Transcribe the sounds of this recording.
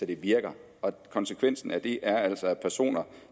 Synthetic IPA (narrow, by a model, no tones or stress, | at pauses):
ed̥e̝ʋiɐɡ̥ɐ | ɒ̽kʰɒ̽nsekʰʋen̰sn̩æd̥e̝ʔæɐæl̰sɒpʰæɐso̝̰ːnɐ